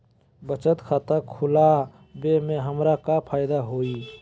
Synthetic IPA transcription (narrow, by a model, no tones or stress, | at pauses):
bət͡ʃət̪kʰat̪əkʰula | bemeɦəmɾakapʰaɪd̪aɦoi